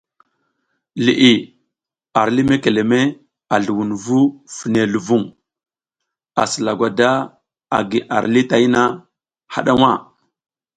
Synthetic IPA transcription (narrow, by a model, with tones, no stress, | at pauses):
lḭ˨ʔi˨ | a˨ɾli˦me˦ke˨le˨me˦ | a˨ɮu˨wu˨nvu˦fi˨ne˨lu˨vu˦˨ŋ | a̰˨sə˨la˨ɡʷa˨da˦ | a̰˨ɡi˨ʔa˨ɾli˦ta˨˦i˦na˦ | ha̰˦ɗa˦wa˦˨